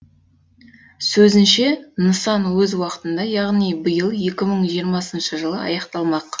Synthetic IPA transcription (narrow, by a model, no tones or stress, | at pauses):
sɵzɪnʃenəsɑnwɵzwɑqə̥t̪ənd̪ɑjɑʁnijbəjəlˠje̞kʲɪməɴʒijəɾmɑsənʃəʒəlˠəɑ̰jɑqt̪ɑlˠmɑq